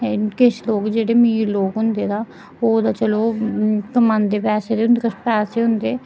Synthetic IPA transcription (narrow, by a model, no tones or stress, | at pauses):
kɪʃloːkd͡ʒeːɽeːmiːɾloːkɦʊnd̪eːd̪aː | oːd̪aːt͡ʃəloːkəmãːnd̪eːpɛːseːd̪eːɦʊnd̪kəspɛːseːɦʊnd̪eː